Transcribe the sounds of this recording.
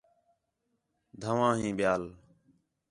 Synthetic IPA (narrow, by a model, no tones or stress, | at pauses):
d̪ʱəʋãːɦĩːɓɪjaːl